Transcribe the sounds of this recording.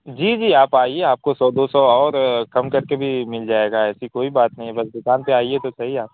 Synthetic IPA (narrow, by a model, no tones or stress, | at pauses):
d͡ʒiːd͡ʒiːaːpaːieaːp̚kosɔːd̪osɔɔːɾkɐmkɐɾkebʱimɪld͡ʒaːeːɡaɛːsikoːibaːt̪nɐɦĩɛbɐsd̪ʊkaːnpeaːiet̪osɐɦiaːp